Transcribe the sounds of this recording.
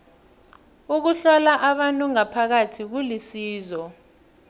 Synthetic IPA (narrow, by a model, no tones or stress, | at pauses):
uk̬uɬɔlaʔaɓantʼuŋapʰak̬atʰik̬ulisiːzɔ